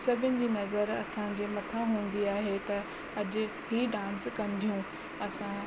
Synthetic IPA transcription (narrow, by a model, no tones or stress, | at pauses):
sɐbʱʊnɪ̆d͡ʑiːnɐzəɾɐsãd͡ʑeːmɐt̪ʰãɦũːn̆d̪iaːɦet̪ɐ | ɐʄʊ̆ | hiːɖãːnskɐ̃nd̪ʱijũ | ɐsã